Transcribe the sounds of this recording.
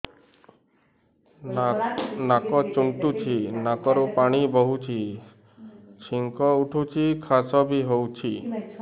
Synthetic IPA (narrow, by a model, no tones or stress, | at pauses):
nakɔt͡ʃuɳʈut͡ʃʰinakɔɾupaɽ̃ibɔɦut͡ʃʰi | t͡ʃʰiŋkɔuʈʰut͡ʃʰikʰasɔbʱiɦowt͡ʃʰi